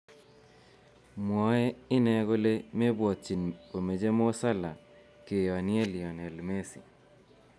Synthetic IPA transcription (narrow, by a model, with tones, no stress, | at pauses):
mwɔ˨ɛ˦ɪ˦nɛ˨ɡo˦le˦me˦bwɔ˨tt͡ʃi˨npo˨me˨d͡ʒe˦mo˦sa˦la˨ | ke˨jɔ˨a˨nɪ˦ɛ˦lijɔ˨nɛ˨lme˦sḭ˨